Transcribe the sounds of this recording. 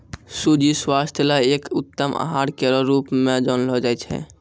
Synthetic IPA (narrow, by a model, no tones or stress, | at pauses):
sud͡ʒiswast̪ʰəlaekut̪ːəmʔa̰ɦaɾkeɾɔɾupmed͡ʒɔnlɔd͡ʒajt͡ʃʰɛ̰